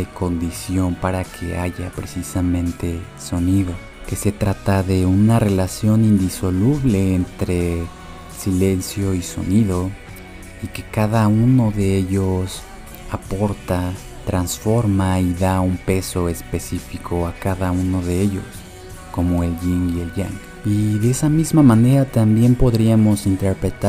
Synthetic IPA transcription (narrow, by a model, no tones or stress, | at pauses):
eko̞nd̪isjo̞mpaɾakʰeaʝapɾesisamẽnt̪e | so̞niðo̞ | ke̞se̞t̪ɾat̪aðe̞unare̞lasjo̞nind̪iso̞luβle̞ːnt̪ɾe | sile̞nsjo̞iso̞̰niðo | ike̞kaðauno̞ðe̞eʝos | apo̞ɾt̪a | t̪ɾansfo̞ɾmaiðaumpe̞so̞e̞spe̞sifikʰo̞akaðauno̞ðe̞eʝo̞̰s | ko̞mo̞e̞lʝiŋɡie̞lʝa̰ŋɡ | iðe̞esamizmamãne̞ɾat̪ambje̞mpo̞ðɾiamo̞sint̪e̞ɾpɾe̞t̪a